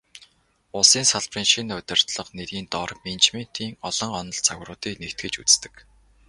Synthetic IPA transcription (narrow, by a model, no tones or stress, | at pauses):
ʊsiːnsaɮpriːnʃinʊt̪ʲɪ̆r̥t̪ɮə̆qneɾiːnt̪ɔrment͡ɕmen̥t̪ʰiːŋɔɮɞ̆ŋɔnɞ̆ɮt͡sʰaɣrʊːt̪iːknekt̪̚ɡɘ̆t͡ɕṵt͡st̪ɘ̆k